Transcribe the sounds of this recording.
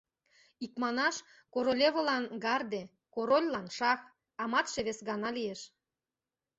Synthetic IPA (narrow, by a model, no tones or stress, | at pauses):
ikmɑnɑʃ | koɾolʲeβə̆lɑnɡɑrd̪e | koɾolʲlɑnʃɑx | ɑmɑt̪ʃeβesɣɑnɑlijeʃ